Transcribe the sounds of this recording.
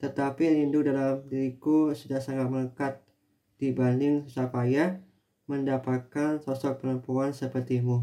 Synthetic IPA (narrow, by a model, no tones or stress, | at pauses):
t̪ət̪apilindʊk̚dalamdiɾikusudahsaŋat̪̚mələkat̪̚ | d̥ibanɪŋsusakaja | məndapat̪̚kansɔsɔk̚pəɾəmpuansəpərt̪imu